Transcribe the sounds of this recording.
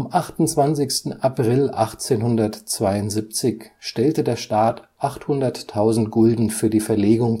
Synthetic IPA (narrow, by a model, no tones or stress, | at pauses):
amʔaχtʊnt͡sv̥ant͡sɪçstn̩ʔapʁ̥ɪlʔaχt͡seːnhʊndɐtt͡sv̥aɪʊntz̥ip̚t͡sɪçʃtɛltədeːɐʃtaːtʔaχthʊndɐtʰːaʊzn̩tɡ̥ʊldn̩fyːɐdiːfɛɐleːɡʊŋ